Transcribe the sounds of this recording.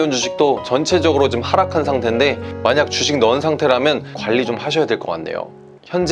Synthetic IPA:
ʌnd͡ʑuɕʰi̥k̚t͈ot͡ɕʌnt͡ɕʰe̞d͡ʑʌɡɯɾot͡ɕomhaɾakʰansʰaŋtʰe̞nde̞maɲak̚t͡ɕuɕʰiŋ̚nʌnsʰaŋtʰe̞ɾɦamjʌnkwaʎːit͡ɕomhaɕʰʌjadweɭk͈ʌk͈a̰nːe̞̰jo̰ | çjʌnd͡ʑ

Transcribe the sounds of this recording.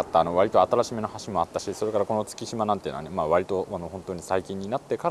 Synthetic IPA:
at̪ːaːno̞βaɾit̪o̞at̪aɾaɕimeno̞haɕimo̞at̪ːaɕiso̞ɾe̞kaɾako̞no̞t͡sɨ̥kʲiɕimanãnt̪ei̟na̰nemaːβaɾʲit̪o̞ano̞hõnt̪o̞ːɲ̟isaikʲĩɲ̟ːinat̪ːe̞kaɾ

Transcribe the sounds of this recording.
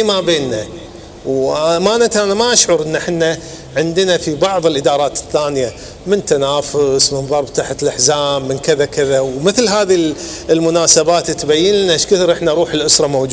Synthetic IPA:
mabeːnːa | wmanat̪ʔanamaʔaʃʕʊɾˤʔɪnːaħɪnːa | ʕɪnd̪ənafibɑʕðˤɪlʔɪd̪ɑːɾˤɑːt̪ɪ̥θːaːnja | mɪnt̪anaːfʊsmɪnðˤɑɾˤb̚t̪aħt̪lʔaħzaːmːɪnkɪðakɪðawmɪθlɦaːði | lmʊnaːsabaːt̪t̪ːbajːɪnnaʔaʃkɪθɾʔɪħnaʔɾˤuːħɪlʔʊsɾˤɑmowd͡ʒ

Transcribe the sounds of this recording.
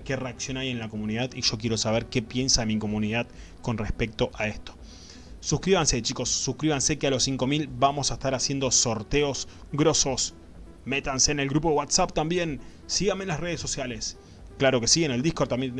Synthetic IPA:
ke̞reaksjo̞naje̞nlako̞mũniðaðiʒo̞kje̞ɾo̞saβ̞eɾke̞pje̞nsaðemikomunið̞að | ko̞nrespe̞k̚t̪o̞ʔae̞st̪o̥ | suhkɾiβanse̞t͡ʃiko̞sːuhkɾiβanse̞kealo̞siŋko̞milbamo̞saest̪aɾasje̞nd̪o̞so̞ɾt̪e̞o̞s | ɣɾo̞so̞s | me̞t̪anse̞ːne̞lɡɣɾup̬oðewat̪sap̚t̪ambje̞n | siɣamenlasre̞ð̞esːo̞sjale̞s | klaɾo̞ke̞siɣeneld̪ihkoɾt̪amje

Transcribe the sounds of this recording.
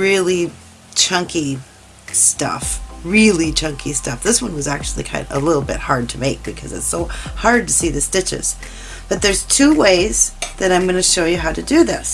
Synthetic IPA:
ɹɪlˠi | t͡ʃʰʌ̃ŋki | stʌ̰fɹɪlˠit͡ʃʰʌ̃ŋkʰistʌfðɪswʌ̃nwʌzæk̚t͡ʃʉl̩ˠḭkʰãɪ̃ndə̰lɪɾl̩ˠbɪ̰t̚hɑɹd̚tʰɨmeɪk̚b̥ɨkʰʌzɨ̰tsoʊhɑɹd̚tʰɨsiðɨstɪt͡ʃɨ̰z̥ | b̥ʌt̪̚ðə˞z̥tʰʉweɪzðɨɾãɪ̃mɡʌnɨʃoʊjɨɦaʊɾɨdɨðɪ̰s

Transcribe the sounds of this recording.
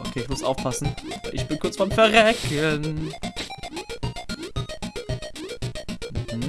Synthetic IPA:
ʔokʰeːɪçmʊsʔaʊfpʰasn̩ʔɪ̰çb̥ɪnkʰʊɐt͡ssb̥aɪmfɛɐʁɛkʰən | m̩hm̩

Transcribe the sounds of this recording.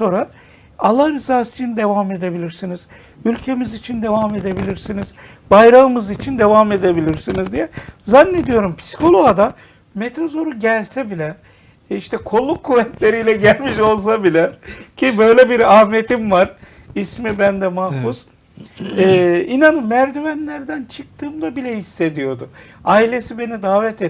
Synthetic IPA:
so̞ɾa | alˠːahɾizaːsit͡ʃʰind̪e̞vame̞d̪e̞bilʲiɾsiniz̥ | ylʲcʰe̞mizit͡ʃʰind̪e̞vame̞d̪e̞bilʲiɾsiniz̥ | bajɾaɯmɯzit͡ʃʰind̪e̞vame̞d̪e̞bilʲiɾsinizd̪ijɛzanːe̞d̪ijo̞ɾumpʰi̥si̥kʰo̞lˠo̞ɡad̪a | met̪ʰazo̞ɾuɟælʲsɛbilʲɛ | iʃt̪ʰɛkʰo̞lˠːukʰːuvɛt̪lʲe̞ɾijlʲɛɟælʲmiʃo̞lˠs̬abilʲɛcʰibø̞jlʲɛbiɾaːme̞t̪ʰimvaɾ | ismibænd̪ɛmahfuz̥ | ɛːinanɯmːæɾd̪ivænlʲæɾd̪ænt͡ʃʰɯk̚t̪ʰɯːmd̪ˠabilʲɛhisːe̞d̪ijo̞d̪u | aːilʲe̞sibe̞nid̪aːvɛt̪ʰe

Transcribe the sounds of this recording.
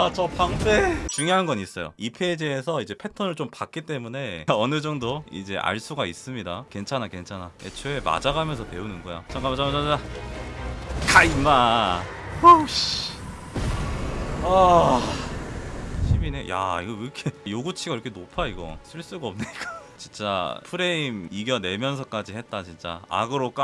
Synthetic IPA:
t͡ɕʌpʰaŋpʰet͡ɕuŋjoɦanɡʌnis͈ʌjo̰ipʰe̞d͡ʑiesʰʌid͡ʑe̞pʰe̞tʰʌnɯɭt͡ɕompak͈it͈e̞mune̞ʌnɯd͡ʑʌŋdoḭd͡ʑe̞ʔa̰ɭs͈uɡais͈ɯmɲidake̞nt͡ɕʰanake̞nt͡ɕʰanaḛt͡ɕʰeema̰d͡ʑaɡamjʌnsʰʌtwe̞unɯnɡʌja̰t͡ɕaŋɡamad͡ʑamad͡ʑaa | kʰaimːa | oɕ | ʌ | ɕʰimineja̰iɡʌɾkʰejoɡut͡ɕʰiɡaiɾʌkʰenopʰaiɡʌ̰sʰɯɭs͈uɡaʌmnek͈at͡ɕint͡ɕ͈a̰pʰɯɾe̞imiɡjʌne̞mjʌnsʰʌk͈ad͡ʑihe̞t̚t͈at͡ɕint͡ɕ͈a̰a̰ɡɯɾok͈a

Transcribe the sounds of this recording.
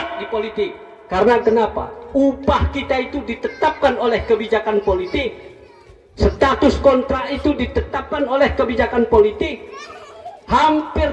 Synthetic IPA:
dipolit̪ɪkː | aɾənakənapa̰upahkit̪ait̪udit̪ət̪ap̚kanolɛhkəbid͡ʒakanpolit̪ɪk̚ | sət̪at̪ʊskont̪ɾait̪udit̪ət̪ap̚kanolɛhkəbid͡ʒakanpolit̪ɪk̚ | hampɪr

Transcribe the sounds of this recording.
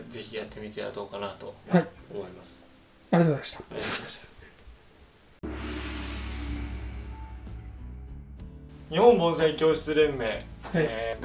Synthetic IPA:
d͡ze̞çijat̪ːe̞mʲit̪e̞a̰d̪o̞ːkanat̪o̞̰aomo̞imasɨ̥ | aɾʲet̪oaɕt̪ḁamaɕt̪ḁ | ɲ̟ihõmbõ̞ɰ̃saikʲo̞ːɕi̥t͡sɨɾẽ̞mːe̞ː | k

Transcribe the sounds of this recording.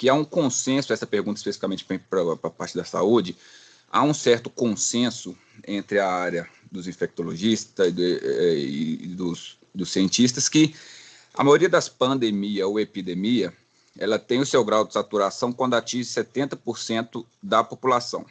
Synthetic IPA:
kɪaũkõsẽsʊɛsɐpeɾɡũt̪ɐispesi̥fikamẽnt͡ʃɪ̥pepɾɐpɾɐpaɾt͡ʃɪd̪ɐsa̰ud͡ʒɪ | a̰ũsɛɾt̪ʊkõsẽsʊ | ẽnt̪ɾɪɐaɾjɐd̪ʊzĩfɛk̚t̪oloʒist̪ɐɛ̰d̪ʊs | d̪ʊsiẽnt͡ʃis̬t̪ɐskɪ | ɐ̰majoɾiɐd̪ɐspɐ̃nd̪emiɐzoepid̪ẽmiɐ | ɛlɐt̪ẽj̃ʊsewɡɾawd̪ʊd͡ʒɪsat̪uɾasɐ̃w̃kwɐ̃nd̪at͡ʃĩʒɪsɛt̪ẽnt̪ɐpoɾsẽnt̪ʊ | d̪ɐpopulasɐ̰̃w̃

